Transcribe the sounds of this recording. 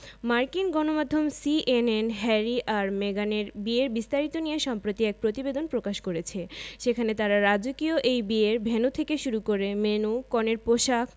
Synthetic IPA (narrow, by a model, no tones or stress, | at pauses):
maɾkinɡɔnomad̪ʱːomsiʔenenɦɛɾiʔaɾmeɡaneɾbieɾbist̪aɾit̪onijeʃɔmpɾot̪iɛk̚pɾot̪ibed̪onpɾokaʃkoɾet͡ɕʰeʃekʰanet̪aɾaɾad͡ʑokioʔejbieɾbʱenut̪ʰekeʃuɾukoɾemenukɔneɾpoʃakʰ